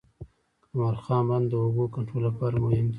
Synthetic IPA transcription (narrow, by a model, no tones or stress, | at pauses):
kamɑɾxɑːnband̪əoɡokaɳʈɾolapɑɾamʊhɪmd̪i